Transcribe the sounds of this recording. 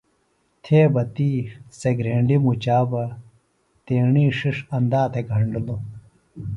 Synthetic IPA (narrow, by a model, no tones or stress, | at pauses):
t̪ʰeːbɐt̪iːseɡɾeːɳɖimut͡ɕaːbɐ | t̪eːɳiːʂiʂɐnd̪aːt̪ʰeɡʱɐɳɖlo